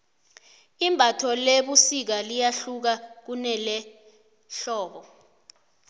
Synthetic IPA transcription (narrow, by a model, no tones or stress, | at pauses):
imbʱatʰɔleɓusik̬alijaɬuk̬ak̬unɛlɛ | ɬɔːɓɔ